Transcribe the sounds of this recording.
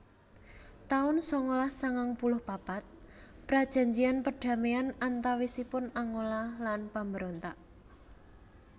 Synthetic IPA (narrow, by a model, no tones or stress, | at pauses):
t̪aʊnsɔŋolasaŋaŋpulʊhpapat̪̚ | pɾad̥ʒ̥a̤ɲd͡ʒianpəɖ̥a̤meanant̪awisipʊnaŋolalanpambəɾont̪aʔ